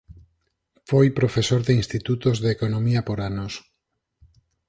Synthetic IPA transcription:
fojpɾofesoɾðeinst̪it̪ut̪ozðekonomiapoɾanos

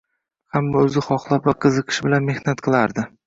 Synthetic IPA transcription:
hamːaɵzɪχɒχlˠapvaqʰɨzɨqʰɨ̥ʃbɪlanme̞hnat̪̚qʰɨlˠaɾd̪ɪ

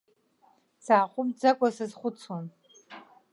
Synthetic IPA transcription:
saːχʷʼʊmd͡zakʷʼɔsɨzχʷʊt͡sʰwan

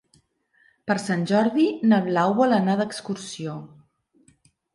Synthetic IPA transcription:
pəɾsanʲʒɔɾðinəβlawβɔlənaðəkskuɾsio

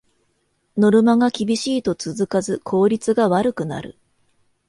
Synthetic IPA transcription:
no̞ɾɯ̟maɡakʲibʲiɕiːt̪o̞t͡sɨzɨkazɨkʰo̞ːɾʲit͡sɨɡaβaɾɯ̟kɯ̟na̰ɾɯ̟̰

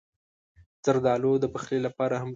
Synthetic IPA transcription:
z̥aɾd̪ɑlod̪əpəxlelapɑɾaham

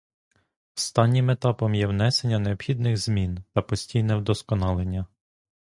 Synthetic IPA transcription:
st̪ɑnʲːimet̪ɑpɔmjɛwnɛsenʲːɐneɔbxʲid̪nɪxz̥mʲint̪ɐpɔsʲtʲijnɛwd̪ɔskɔnɑlˠenʲːɐ

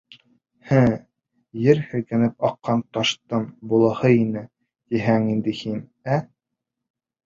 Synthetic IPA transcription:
hæ | jɘɾhɘ̆kæ̆nɘp̚ɑqːɑnt̪ɑʃt̪ɤnbulˠɤ̆hɤinɘ | j̪iɦæŋind̪ɘhinæ

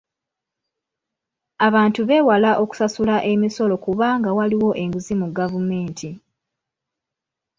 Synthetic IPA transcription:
aβaːntuβe̞ːwalaʔo̞ku̥sasulaʔe̞miso̞lo̞kuβaːŋɡawaliwo̞ʔe̞ŋɡuzimuɡavume̞ːntʰi

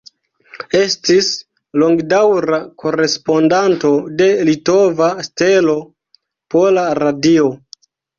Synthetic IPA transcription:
e̞stis | lo̞ŋɡdawɾakʰo̞ɾe̞spo̞ndanto̞de̞lito̞vastelo̞ | polaɾadio̞

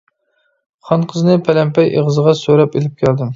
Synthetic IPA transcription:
χɑnqʰəznɨpʰælɛmpʰɛjʔḛʁəzəʁɑsøɾɛpelɪp̚kʲʰæld̪ɪm

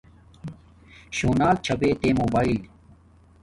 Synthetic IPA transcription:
ɕoːnaːlt͡ɕʰɐbeːt̪eːmoːbaːil

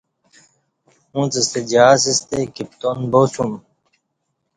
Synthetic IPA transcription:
ũːt͡sɐst̪ed͡ʑaːs̬ist̪ekip̚t̪onboːsum

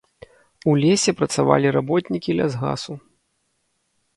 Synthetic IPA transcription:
ulʲesʲɛpɾɐt̪sava̰lʲiɾabɔt̪ʲnʲikʲilʲazɣa̰su

